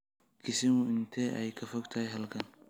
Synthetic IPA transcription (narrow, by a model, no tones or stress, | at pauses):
kʰɪsɪmʔɪnt̪ʰɛʔɛjkʰɐfɔɡt̪ʰɐhɛjɦɐlkʰɐn